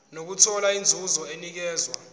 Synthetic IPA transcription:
nok̬utʰɔlaind͡zʱuzɔenik̬ɛːzwa

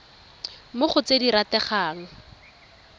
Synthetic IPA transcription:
mʊχʊt͡sediɾatɛχaːŋ̩

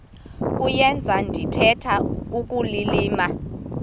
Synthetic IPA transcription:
kʼujɛnd͡zʱandʱitʰɛtʰaukʼuliliːma

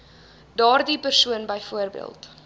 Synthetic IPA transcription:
dɑːrdipərsuənbəjfuərbḭə̰lˠt

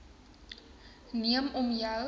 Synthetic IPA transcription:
niəmɔmja

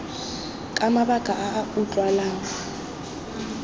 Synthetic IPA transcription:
kʼamaβaɡ̥ʱʼaʔaːutʼwalaːŋɔ

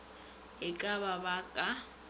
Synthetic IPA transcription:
ɪkʼaβabakʼa

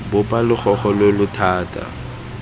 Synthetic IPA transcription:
bʊpʼalʊk͡xʰɔχɔlɪlʊtʰaːtʼa̰

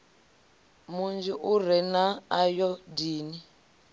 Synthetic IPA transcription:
mund͡ʒiʔurɛnaːjɔdiːni

